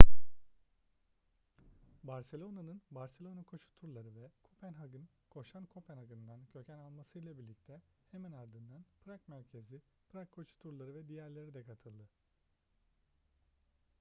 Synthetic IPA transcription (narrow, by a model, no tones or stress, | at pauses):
baɾse̞lʲo̞nanɯnbaɾselʲo̞nakʰo̞ʃu̥t̪ʰuɾlˠaɾɯvɛkʰopʰænɦaɡɯn | kʰo̞ʃankʰopʰænhaɡɯnd̪ancʰø̞cʰænalˠmasɯjlˠabiɾlʲic̚t̪ʰɛheminaɾd̪ɯnd̪anpʰɾakmæɾcʰe̞zi | pɾakʰːo̞t͡ʃu̥t̪ʰuɾlˠaɾɯvɛd̪ijæɾlʲe̞ɾid̪ɛkʰat̪ʰɯlˠd̪ɯ